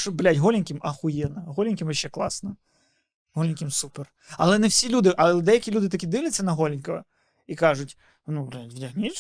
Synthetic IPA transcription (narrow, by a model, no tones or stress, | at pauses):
ʂɔblʲatʲɦɔlʲɪnʲkʲɪmɐxʊjɛnɐɦɔlʲɪnʲkʲɪmjɐʃːɛklˠɑsnɐ | ɦɔlʲɪnʲkʲɪmsupɛr | ɐlˠɛnɛwsʲilʲud̪ɪʔɐlˠɛd̪ɛjɐkʲilʲud̪ɪt̪ɐkʲid̪ɪlʲɐt͡sʲːɐnɐɦɔlʲɪnʲkɐʋɐ̰ | ikɑʐʊtʲ | nublʲatʲvdʲɐɦnʲi